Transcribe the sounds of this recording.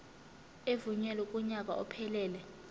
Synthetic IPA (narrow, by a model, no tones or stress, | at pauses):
evuɲɛlwɛkʼuɲak̬ʼa̰ʔɔpʰɛlɛːlɛ